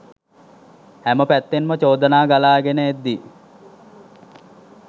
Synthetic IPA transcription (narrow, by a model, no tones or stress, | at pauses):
hæməpæt̪ːenmət͡ɕoːd̪ənaːɡalaːɡenəed̪ːi